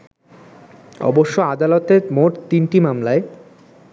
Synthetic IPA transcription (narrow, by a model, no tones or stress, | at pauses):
ɔ̰boʃːoad̪alot̪eɾmoʈt̪inʈimamlae